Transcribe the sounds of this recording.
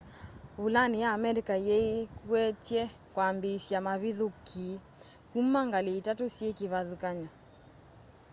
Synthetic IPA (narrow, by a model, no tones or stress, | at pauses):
ulanijaːmɛɾikajɛikwɛt͡ʃjɛ | kwambesjamaβiðokʰi | kumːaŋɡaleitatosjekiβaðukaɲɔ